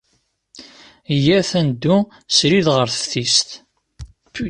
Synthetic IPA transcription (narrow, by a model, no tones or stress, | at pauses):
ijæθænd̪ːu | sɾiðʁəɾθəfθist̪